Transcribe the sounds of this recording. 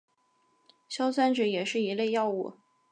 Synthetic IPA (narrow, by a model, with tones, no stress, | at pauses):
ɕjɑ˥ʊswa˥nʈ͡ʂɤ˨˥jɛ˨˩ʂɻ̩˥˩i˧˥le˥˧ɪjɑ˥˧ʊu˥˩